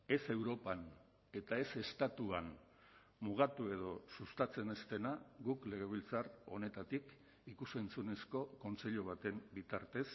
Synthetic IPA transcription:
e̞se̞wɾo̞pan | e̞t̪ae̞se̞st̪at̪uan | muɣ̞at̪ue̞ð̞o̞sust̪at͡se̞ne̞st̪e̞naɡukle̞ɣ̞e̞βilt͡saro̞̰ne̞t̪at̪ik | ikusent͡sune̞sko̞ko̞nt͡se̞ʎuβ̞at̪e̞mbit̪aɾt̪e̞s

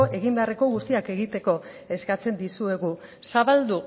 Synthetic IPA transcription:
oʔe̞ɣimbe̞are̞ko̞ɣust̪iake̞ɣit̪e̞ko̞ | e̞skat͡se̞nd̪isue̞ɣu | saβald̪u

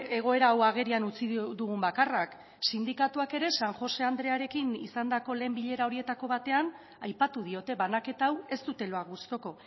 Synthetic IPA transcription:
e̞ɣ̞o̞e̞ɾawaɣ̞e̞ɾianut͡sid̪uɣumbakarak | sind̪ikat̪uake̞ɾe̞saŋʝo̞se̞and̪ɾe̞aɾe̞kinisand̪ako̞le̞ːmbiʎe̞ɾao̞ɾie̞t̪ako̞βat̪e̞an | ajpat̪uð̞io̞t̪e̞βanake̞t̪aːwe̞st̪ut̪e̞lo̞aust̪o̞ko̞

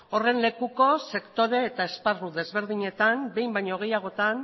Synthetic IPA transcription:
o̞re̞nle̞kuko̞se̞kt̪o̞ɾe̞ːt̪aesparuðe̞zβe̞ɾð̞iɲe̞t̪ambe̞jmbajɲoɣ̞e̞jaɣ̞o̞t̪an

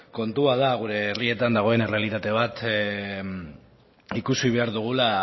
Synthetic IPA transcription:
ko̞nt̪uaðaɣuɾe̞ːrie̞t̪and̪aɣ̞o̞e̞nere̞alit̪at̪e̞β̞at̪ | ikusiβe̞aɾðuɣ̞ula

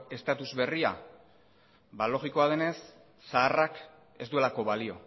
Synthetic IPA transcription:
e̞st̪at̪uzβe̞ria | balo̞ɣiko̞aðe̞ne̞sː | aːrak | e̞zd̪ue̞lako̞βalio̞

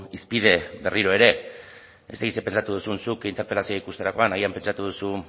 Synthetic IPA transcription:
ispið̞e̞be̞riɾo̞e̞ɾe̞ | est̪akit̪se̞pe̞nt͡ʃat̪uð̞usunsukint̪eɾpe̞lasioikust̪eɾako̞anaɣiampe̞nt͡ʃat̪uð̞usu

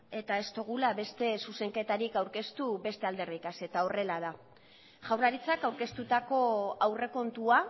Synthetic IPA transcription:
e̞t̪ae̞st̪o̞ɣulaβe̞st̪e̞suse̞ŋke̞t̪aɾikawɾke̞st̪uβe̞st̪e̞ald̪e̞rikase̞t̪ao̞re̞lað̞a | ʝawrlaɾit͡sakawɾke̞st̪ut̪ako̞awre̞ko̞nt̪ua

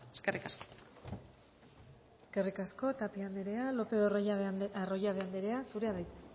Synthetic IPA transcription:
eskerʔikasko̥ | eske̞rikasko̞t̪apiand̪eɾe̞alo̞pe̞ðoarojaβeand̪eɾe̞asuɾeaðajt̪

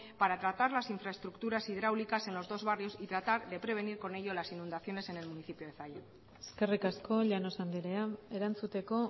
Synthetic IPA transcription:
paɾat̪ɾat̪aɾlasiɱfɾae̞st̪ɾukt̪uɾasið̞ɾawlikase̞nlo̞zðo̞zβario̞sit̪ɾat̪aɾðe̞pɾe̞β̞e̞niɾko̞ne̞ʎo̞lasinũnd̪aθjo̞ne̞se̞ne̞lmuniθipjoð̞eθaja | eske̞rikasko̞ʎanosand̪iɾeae̞ɾant͡sut̪e̞ko̞

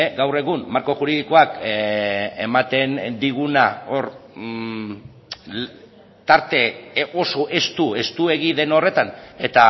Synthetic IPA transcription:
ɡawre̞ɣ̞ummaɾko̞xuɾiðiko̞ak | emat̪e̞nd̪iɣ̞unao̞ɾ | t̪aɾt̪e̞o̞so̞ʔe̞st̪ue̞st̪ue̞ɣiðe̞no̞re̞t̪ane̞t̪a

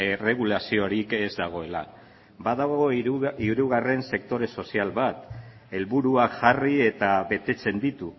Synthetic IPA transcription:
ere̞ɣ̞ulasio̞ɾike̞zd̪aɣ̞o̞e̞la̰ | baðaɣo̞iɾuɣ̞are̞nse̞k̚t̪o̞ɾe̞so̞sialβat̪ | e̞lβuɾuaʝarie̞t̪aβe̞t̪e̞t͡se̞nd̪it̪u

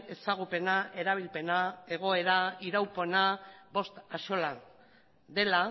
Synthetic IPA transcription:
e̞saɣ̞upe̞naʔe̞ɾaβ̞ilpe̞nae̞ɣ̞o̞e̞ɾaiɾawpo̞naβo̞st̪aʃo̞lan | d̪e̞la

